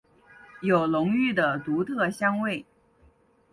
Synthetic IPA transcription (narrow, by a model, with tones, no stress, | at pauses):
jo˨˩ʊlʊ˧˥ŋy˥˩d̪ə˩t̪u˧˥t̪ʰɤ˥˧ɕjɑ˥ŋwe˥˩ɪ